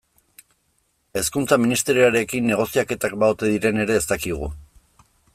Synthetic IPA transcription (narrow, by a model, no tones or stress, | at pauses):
e̞skunt͡saminist̪e̞ɾioaɾe̞kinːe̞ɣ̞o̞siake̞t̪ak̚baot̪e̞ðiɾe̞ne̞ɾe̞ːst̪akiɣ̞ṵ